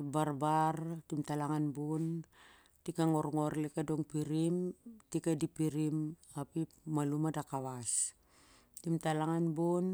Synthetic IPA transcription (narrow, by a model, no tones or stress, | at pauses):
baɾbartimtalaŋanbun | tikaŋoɾŋo̞ɾlekadoŋpiɾimtikadipiɾim | apipmalumadakaβas | timtalaŋanbun